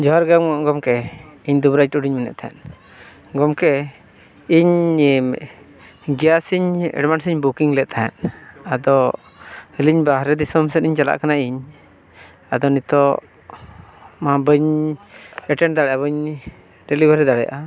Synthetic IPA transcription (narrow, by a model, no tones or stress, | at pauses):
d͡ʒɔɦaɾɡaŋʔɡɔmkɛiɲd̪ubɾajʈuɖiɲminɛ̰ʔt̪ʰaɛ̰n | ɡɔmkɛ | iɲ | ɡijasiɲɛ̰ɖmansiɲbukiŋlɛʔ̪̚t̪ʰaɛ̰nad̪ɔ | həliɲbaɦɾɛd̪isɔmsɛt̪iɲt͡ʃala̰ʔkanaiɲ | ad̪ɔnit̪ɔ | mabəɲ | ɛʈɛnd̪aɽɛjabəɲ | ɾɛlibaɾɛd̪aɽɛja̰ʔa